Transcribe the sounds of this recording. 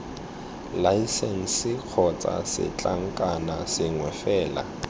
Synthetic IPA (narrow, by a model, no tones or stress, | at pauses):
laisɛn̩sɪk͡xʰɔt͡sʼa̰sɪ̰t͡ɬʼaŋ̩kʼanasɪŋwɛfɛːla̰